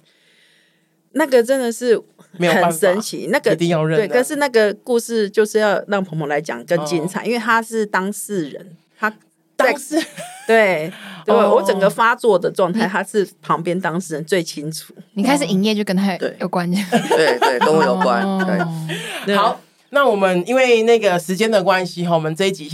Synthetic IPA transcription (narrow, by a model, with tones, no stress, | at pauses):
na˥˩ɡə˨ʈ͡ʂə˦˥nd̪ə˨ʂɻ̩˥˩e˧˦˨xə˨n˧ʂə˦nt͡ɕʰḭ˨˥˦na˥˩ɡə˨t̪i˥˧ŋjɑ˥˧ʊɻə˥˨we˥˩ɪə˨˩ʂɻ̩˥˧na˥˩ɡə˩ku˥˧ʂɻ̩˥˧t͡ɕjo˥˧ʊʂɻ̩˥˧jɑ˥˧ʊɻɑ˥˩ŋpʰə˧˥ŋpjo˧la˧˥ɪt͡ɕjɑ̰˨˩ŋkə˥˦t͡ɕi˥nt͡sʰa̰˨˩˦ʔi˥nwe˥˩t̪ʰa˦˥ʂɻ̩˥˩t̪ɑ˥ŋsɻ̩˥˩ɻə̰˧˦n | t̪ʰa˥˧ | t̪we˥˩ɪwe˧˥˧wɔ˧˦t͡sə˨˩ŋɡə˦fa˥t͡swɔ˥˩d̪ə˩ʈ͡ʂwɑ˥˧ŋt̪ʰa˥˩ɪt̪ʰa˥ʂɻ̩˥˩pʰɑ˧˥ŋpjɛ˥nt̪ɑ˥ŋʂɻ̩˥˩ɻə˧˦nt͡swe˥˩ɪt͡ɕʰi˦nʈ͡ʂʰu˨˩˦ni˨˩kʰa˥ɪʂ̬̩˨˩i˨˩ŋjɛ˥˧t͡ɕjo˥˩ʊkə˥nt̪ʰa˥t̪wḛ˥˩ɪjo˨˩kwa˦n˥t̪we˥˩twe˥˩ɪt̪o˥ʊxwe˥˩jo˨˩ʊkwa̰˦nwe˥˩˥xɑ˨˦ʊ | na˥˩˨wɔ˨˩mə˦ni˥nwe˥˩ɪna˥˩ɡə˨ʂɻ̩˧˦t͡ɕjɛ˦˥nd̪ə˨kwa˦nɕi˧˥ɦɔ˨wɔ˨˩mə˨nt͡se˥˧˦i˥t͡ɕi˨˩